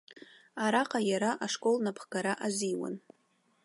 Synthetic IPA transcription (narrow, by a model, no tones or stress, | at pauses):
aɾaqʼajaɾaʔaʂkʼo̞lnapʰχɡaɾaʔaziwa̰n